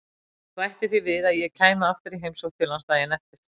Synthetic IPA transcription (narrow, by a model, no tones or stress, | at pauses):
θɔajht̪ɪ̥θivɪðaðjɛɣcʰaːjmaaft̪ɪɾiɦejmsɔwt̪ʰːɪlanst̪aðjɛnɛft̪ɪɾ̥